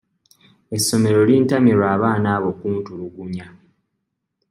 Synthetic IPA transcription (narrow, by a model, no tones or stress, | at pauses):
e̞sːo̞me̞ɾo̞liːntamiɾwaːβaːnaːβo̞kuːntuluɡuɲa